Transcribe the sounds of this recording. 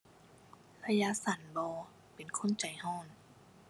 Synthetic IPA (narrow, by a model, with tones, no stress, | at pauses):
lʰa˧ja˧˥sa˨˦nbɔː˧ | pe˨˩nkʰo˧˥˨nt͡ɕa˨˩jhɔː˥˩˨n